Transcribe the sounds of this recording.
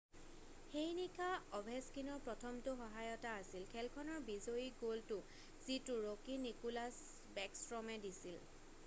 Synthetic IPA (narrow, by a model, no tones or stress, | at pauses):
xejnikʰaɔbʱeskinɔɹpɹɔtʰɔmtʊxɔɦajɔtaːsilkʰɛlkʰɔnɔɹbizoiɡoltʊ | z̥itʊɹokinikulas | bɛksɹɔmɛdisil